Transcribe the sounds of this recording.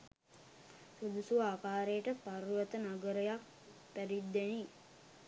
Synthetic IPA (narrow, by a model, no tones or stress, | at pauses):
sod̪usuʋaːkaːɾejəʈəpaɾujət̪ənaɡəɾəjak̚ | pæɾid̪ːæni